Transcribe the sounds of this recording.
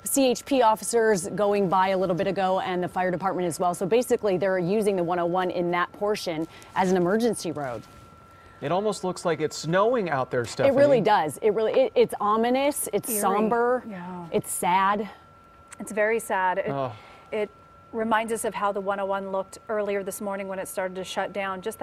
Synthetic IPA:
sieɪt͡ʃpʰiɔfəsə˞zɡoʊɪ̃ŋbaɪɨlɪɾl̩ˠbɪɾɨɡoʊʔɨ̃nðɨfaɪə˞ɾɨpʰɑɹt̚mɨ̃ñtɨzwɛlˠsoʊbeɪsɨkliðə˞jʉzɪ̃ŋðəwʌ̃ɾ̃oʊwʌ̃nʔɪ̰̃nðɨt̚pʰɔɹʃɨ̃n | ʔɨzn̩ɨmɜ˞d͡ʒɨ̃nsiɹoʊd̥ | ɨɾɔlˠmoʊstˡlʊkslaɪkɨtsnoʊɪ̃ŋa̰ʊt̪̚ðə˞stʌɨt̚ɹɪlˠidʌzɪt̚ɹɪlˠiʔɪɾɪtsɑmɨnɨsɨtsɑ̃mbə˞ʔɨtsæd | ɨtsvɛɹisæɾɪ | ɪt̚ | ɹɨmãɪ̃ndzʌsʌv̥ɦaʊðəwʌ̃ñoʊwʌ̃nlʊk̚tɜ˞lˠiə˞ðɪsmɔɹnɪ̃ŋwə̃ñɨtstɑɹɾɨd̚tɨʃʌt̚d̥ãʊ̃nd͡ʒʌst̚

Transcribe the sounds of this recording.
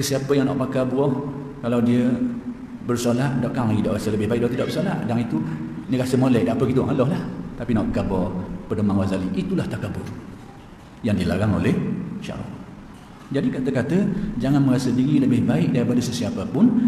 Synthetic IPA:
səsiapəjaŋnɔʔpakabuɔh | kalawdiə | bərsolaʔ̪̚doʔkaŋlaɡidaʔrasələbɪhbaiʔ̚k̚dat̪idɔʔbərsola̰ʔ̪daŋit̪unəɣasəmolɛʔ̚dapəɡit̪uʔŋalɔhlaht̪apinɔʔkabɔpədomaŋwazaliʔit̪ulaht̪akabɔ | jaŋdiəla̰ɾaŋo̰lɛhʃa̰ɾɔ̰ | d͡ʒadikat̪əkat̪əd͡ʒaŋanməɾasədiɾiləbɪhbaɪk̚daɾipadəsəsiapəpʊn

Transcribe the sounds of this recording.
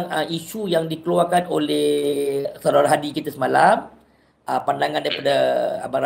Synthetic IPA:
ŋəiʃujaŋdikəluarkanolɛhsaɾaɾaɦadikit̪asəmalam | əpandaŋãndaɾipada̰baɾa

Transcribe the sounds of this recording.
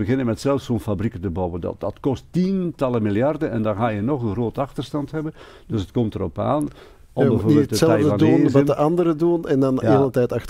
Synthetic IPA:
bəɣɪnəmɛtsɛlˠəfsoːnfabrikətəbɔwəndɑ̰dɑtkɔstintɑlˠəmɪlˠjɑrdənɛndɑnɣaːjənɔχənroːtɑxtərstɑntɦɛbə | d̥øsətkɔmtərɔpa̰ːn | ɔbəvoːbɪlətsɛlɛəjvdəɑndunʋɑdəʔɑndəɾədunɛndɑneːlˠətɛjtɑxtə

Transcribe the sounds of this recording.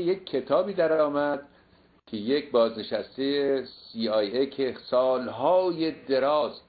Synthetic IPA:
jekʲʰːe̞t̪ʰɒːbiːd̪æɾɒːmæd̪̥ | kʰe̞jecbɒːzne̞ʃæst̪ejesiːɑjekʰesɒːlɦɒːjed̪e̞ɾɒːz̥

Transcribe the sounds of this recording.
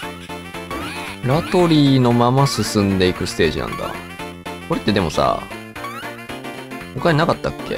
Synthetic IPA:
ɾat̪o̞ɾʲiːno̞mamasɨsɨ̃nd̪e̞ikɯ̟sɨ̥t̪e̞ːʑḭnã̰nd̪a̰ | ko̞ɾe̞t̪ːe̞d̪e̞mo̞sa̰ | mokanakat̪ːakɯ̥kːḛ

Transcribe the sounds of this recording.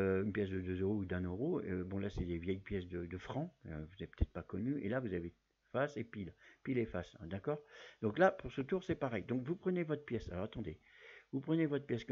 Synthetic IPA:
øynpjɛs̬d̪əd̪øzøʁoud̪ɛ̃nøʁoøbɔ̃lasɛd̪evjɛjpjɛsd̪əd̪əfχɑ̃ø̰vuzɛt̪̚pø̥ət̪ʰɛt̪χpakɔnyḛlavuzave | fasepilpilefasd̪akɔːʁd̪ɔ̃klapuʁsət̪uʁsɛpaʁɛjd̪ɔ̃kvupχənevɔt̪χpjɛsalɔʁat̪ɑ̃d̪evupχənevɔt̪χpjɛsk

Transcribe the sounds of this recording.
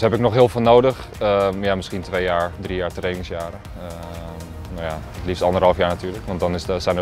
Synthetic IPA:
hɛpɪknɔxɦɪəlˠfɪːlˠnoːdəx | əjamɪskintʋeːjaːɹdrijaːɹtreːnɪŋsjaːɾə | ə | noja | tlifstɑndərɦɑlˠfjaːɹnatʰyːɹləkʋɑntdɔnɪsəsɛjnə

